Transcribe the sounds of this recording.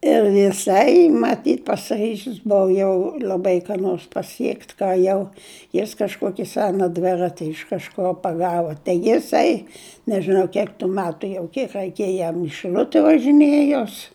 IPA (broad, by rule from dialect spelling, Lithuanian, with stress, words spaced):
ɪr jɪˈsɐɪ mɐˈtʲiːt pɐsʲɪˈrʲiːʒʲɪs ˈbʊʋɐ jɛʊ lʲɐˈbɐɪ kɑː ˈnoːrs pɐˈsʲiɛktʲ kɑː ˈjɛʊ jɪs kɐʃˈkoːkʲɪ ˈsʲæːnɐ ˈdʲʋʲɪrɐtʲɪ ɪʃ kɐʃˈkoː pɐˈɡɑːʋɐ tɐɪ jɪˈsɐɪ nʲɛʒʲɪˈnɐʊ ˈkʲiɛk tʊ ˈmʲæːtʊ jɛʊ ˈkʲiɛk rʲɛɪˈkʲeːjɛ jɛm ɪ ʃʲɪˈlʲʊtʲɛ ʋɐʒʲɪˈnʲeːjoːs